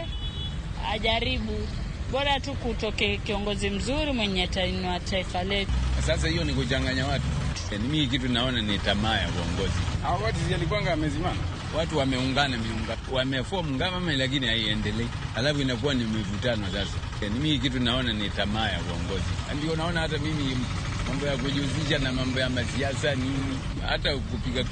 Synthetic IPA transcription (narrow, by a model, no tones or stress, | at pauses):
a̰ʄaɾiɓuɓɔɾatukutɔkɛakiɔŋɡɔzim̩zuɾimwɛɲɛtnwataifalɛtusas̬ahijɔnikut͡ʃaŋɡaɲawatu | animiik̬itunnaɔnanitamaːja̰kuɔŋɡɔziawakatizialik̬waŋɡaːmɛzimana | watuwamɛuŋɡanamiuŋɡawamɛfuamuŋɡamamailak̬inihaiɛndɛlɛ | halafuinak̬uwanimwɛvutanwasasa | janimihk̬it̬uinaɔnanɛtamaːja̰kuɔ̰ŋɡɔzḭa̰ndiɔnaɔnahat̬amimi | mambɔjak̬uʄuuziʃanamambɔjamasiasani | ha̰takupiɡa